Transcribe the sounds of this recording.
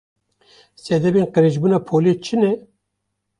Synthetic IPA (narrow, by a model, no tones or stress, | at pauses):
sɛd̪ɛbeːnqəɾeʒbuːnɑːpʰoːlet͡ʃʰɨnɛ